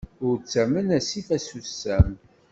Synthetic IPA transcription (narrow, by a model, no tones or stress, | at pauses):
ʊɾt͡sːæmənæsiθæsusːæm